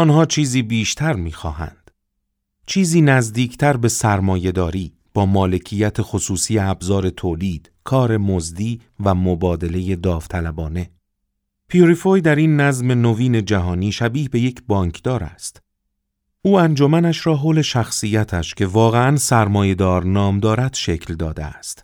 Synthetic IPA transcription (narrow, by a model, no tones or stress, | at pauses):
ʔɒːnhɒːt͡ʃʰiːziːbiːʃt̪ʰæɾmiːxɒ̰ːhæ̰nd̪̥ | t͡ʃʰiːziːnæzd̪iːcʰt̪ʰæɾbe̞sæɾmɒːje̞d̪ɒːɾiː | b̥ɒːmɒːle̞cʰijæt̪ʰe̞xosuːsiːjeæbzɒːɾe̞t̪ʰoːliːd̪̥kʰɒːɾe̞mozd̪iː | væmobɒːd̪e̞le̞je̞d̪ɒːft̪ʰælæbɒːne̞ | pʰioɾifojd̪æɾinːæzme̞noviːne̞d͡ʒæɦɒːniːʃæbiːhbe̞je̞cʰbɒːŋkʰd̪̥ɒːɾæ̰st̪ | uːænd͡ʒo̞mænæʃɾɒːɦoːle̞ʃæxsiːjæt̪ʰæʃcʰe̞vɒːɣe̞ænsæɾmɒːje̞d̪ɒːɾnɒːmd̪ɒːɾæd̪̥ʃe̞cʰld̪ɒːd̪eæ̰st̪